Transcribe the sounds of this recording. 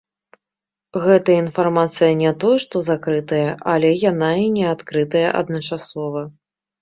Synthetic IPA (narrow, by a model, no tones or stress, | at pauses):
ɣɛt̪ɐəinfarmat̪sɨjɐnʲɛt̪ɔjɛʂt̪ɔzakɾɨt̪ɐjɐʔɐlʲɛjanainʲɛat̪kɾɨt̪ɐjɐ̰ʔɐ̰d̪nɐt͡ʂasɔvɐ